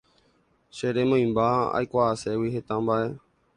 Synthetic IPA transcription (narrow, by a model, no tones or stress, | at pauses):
ʃeɾe̞mõj̃mbaa̰jkʷaːse̞wiɦe̞t̪ãmbaʔe̞